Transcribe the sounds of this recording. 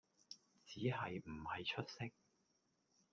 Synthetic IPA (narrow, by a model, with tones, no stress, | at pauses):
t͡siː˨˥hɐ˨jm̩˨˩hɐ˨jt͡ʃʰɵ˥t̚sɪ˥k̚